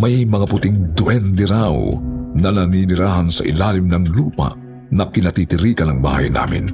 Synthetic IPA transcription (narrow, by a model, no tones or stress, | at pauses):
mɐjmɐŋapʊt̪ɪŋd̪wɛnd̪ɛɾawnɐnɐninɪɾaːɦɐnsɐ̰ʔɪ̰laːlɪmnɐŋluːpɐ̰ʔ | nɐkɪnɐt̪it̪ɪɾiːkɐnɐŋba̰ːhɐ̰jna̰ːmɪ̰n